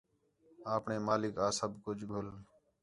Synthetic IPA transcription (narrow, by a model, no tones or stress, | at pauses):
aːpɳeːmaːlɪkaːsəbʱkʊd͡ʒʱɡʱʊl